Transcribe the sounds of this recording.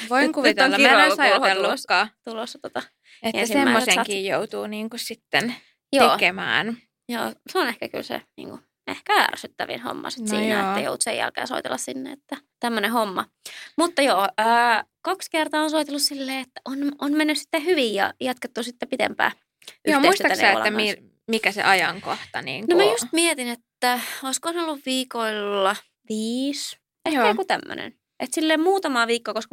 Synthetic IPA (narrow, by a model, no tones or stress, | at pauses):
ʋoiŋkuʋt̪ːoŋːɑæsɑelːuskːɑt̪ulosːɑt̪ot̪ɑ | etḛːæsismeːæiːossestkiːjjout̪uːniːŋkussit̪ːen | joeːkemæ̰ːn | jo̰ːseonehkæky̰lsḛnḭːŋku | ḛhkææ̰rsyt̪ːæʋḭnho̰mːɑ̰sit̪nsḭːjnḛtːæjo̰ut̪sḛjæ̰lkḛːso̰it̪ḛlːɑssinːḛet̪ːæt̪æmːønehomːɑ̰ | mut̪ːɑjoːəːkɑkskert̪ɑːonsoit̪elːussilːeːet̪ːæ̥ʔononmenːyssi̥t̪ːehyʋijjɑ̰jɑt̪ket̪ːusit̪ːepit̪ḛmpæ̰ː | yohmeiuisistːyɑæeæ̰eo̰l̰ɑːæmi | mikæsḛʔɑjɑŋkoht̪ɑnḭːŋknomæjust̪miet̪inet̪ːæoiskoɑnolːuʋʋiːkoilːɑ | ʋiːs | eæokut̪æmːø̰nḛn | ʔet̪silːeːmmuːt̪ɑmɑːʋiːkːokoskɑ